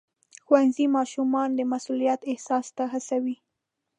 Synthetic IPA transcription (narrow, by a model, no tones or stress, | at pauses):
xwanzimɑʃumɑnd̪əmasulijat̪ɪhsɑst̪aɦasawi